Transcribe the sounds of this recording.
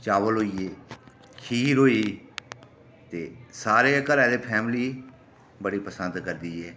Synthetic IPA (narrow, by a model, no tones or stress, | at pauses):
t͡ʃaːʋəlɦoːiːeː | kʰiːɾoːiː | t̪eːsaːɾeːkəɾaːd̪eːpʰɛːmliː | bəɽiːpəsə̃nd̪kəɾd̪iːɛː